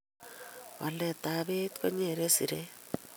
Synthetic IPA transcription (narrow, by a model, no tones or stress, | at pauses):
alet̪aβet̪koɲeɾesiɾe